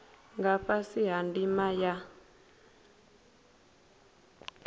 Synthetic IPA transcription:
ŋɡaɸasiɦandimaja

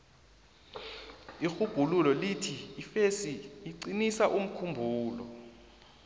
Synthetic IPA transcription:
ixuɡ̥ʱululɔlitʰifesiːǀinisaʔum̩kʰumbʱuːlɔ̰

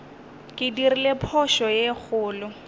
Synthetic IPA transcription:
kʼɪdirilepʰɔʃɔjek͡xʰʊːlʊ

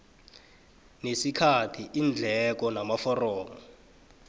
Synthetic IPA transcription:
nesikʰatʰiʔind͡ɮʱɛk̬ɔnamafɔrɔːmɔ

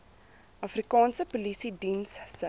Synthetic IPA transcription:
ʔɐfrikɑːnsəpulisidinssə

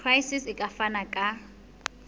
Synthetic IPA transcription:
rajsisɪkʼafanakʼa

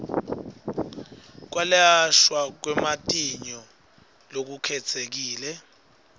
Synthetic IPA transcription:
k̬walaʃwak̬wɛmatʼiɲɔ | lok̬ukʰɛt͡sʰek̬iːlɛ

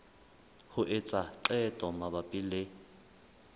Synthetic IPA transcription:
hʊʔɪt͡sʼaǃɛtʼɔmabapʼile

